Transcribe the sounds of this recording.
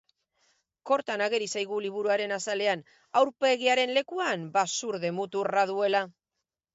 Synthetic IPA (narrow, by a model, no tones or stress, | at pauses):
ko̞ɾt̪anaɣ̞e̞ɾisajɣ̞uliβ̞uɾuaɾe̞nasale̞an | awɾpe̞ɣiaɾe̞nle̞kuanbasuɾðe̞mut̪uraðue̞la